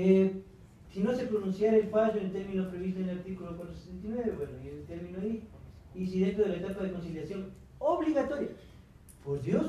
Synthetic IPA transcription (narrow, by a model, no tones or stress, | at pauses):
e | sinosepɾonũnsjaɾelfaʒonelt̪eɾmĩnopɾeβist̪oenlaɾt̪ikulokwat̪ɾose̥sent̪̬inweβeβwenoielt̪eɾmĩnoaiː | siðent̪ɾoð̞elaet̪apaðekonsiljasjoŋ | oβliɣat̪oɾja | pozðjos